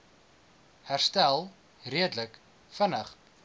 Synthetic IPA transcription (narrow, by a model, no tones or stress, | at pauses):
hærstælˠ | riədlək | fənəχ